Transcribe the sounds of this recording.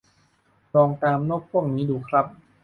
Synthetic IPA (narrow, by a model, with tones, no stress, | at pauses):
ɾɔː˧ŋt̪aː˧mnɔː˥˩k̚pʰu˥˩əŋniː˦˥duː˧˩kʰɾa˦˥p̚